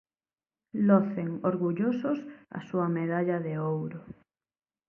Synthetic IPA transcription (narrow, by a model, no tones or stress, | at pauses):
lɔθeŋoɾɣuʎosʊsɐ̰suɐmeðaʎɐðeowɾʊ